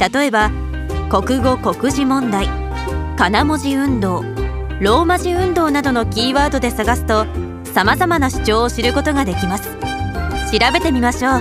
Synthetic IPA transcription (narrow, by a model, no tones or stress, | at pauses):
t̪at̪o̞e̞ba | ko̞kɯ̟ɡo̞ko̞kɯ̟ʑimõ̞nd̪ai | kanamo̞ʑiɯ̟̃nd̪o̞ː | ɾo̞ːmaʑiɯ̟̃nd̪o̞ːnad̪o̞no̞kʲiːβaːd̪o̞d̪e̞saɡasɨ̥t̪o̞ | samazamanaɕi̥t͡ɕo̞ːɕiɾɯ̟ko̞t̪o̞ɡad̪e̞kʲimasɨ̥ɕiɾabe̞t̪e̞mʲimaɕoː